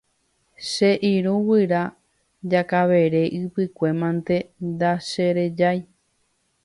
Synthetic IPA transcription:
ʃe̞ʔiɾũwɨɾa | d͡ʒakaʋe̞ɾe̞ʔɨpɨkʷe̞mãnt̪e̞nd̪aʃe̞ɾe̞d͡ʒaj

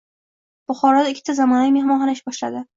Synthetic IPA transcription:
b̥ʊχɒɾɒd̪ɪkʲʰːɪ̥t̪ʰazamɒnajmehmɒɦanɪʃbɒʃlad̪ɪ

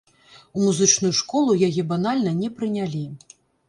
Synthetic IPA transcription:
umuzɨt͡ʂnujuʂkɔlˠujajɛbanalʲnɐnʲɛpɾɨnʲalʲi

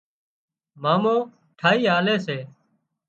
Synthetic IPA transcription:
maːmõː | ʈʰaːɦiːɦaːleːseː

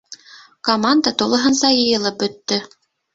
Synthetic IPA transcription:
komand̪ət̪ulˠɤ̆ɦɤ̆nsɑjɤ̆jɤ̆lˠɤp̚bɵ̆t̪ːɵ

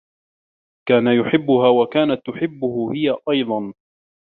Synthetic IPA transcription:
kaːnajʊħɪbːʊhaːwakaːnat̪ːʊħɪbːʊhʊhɪjaʔɑjd̪ˤɑn

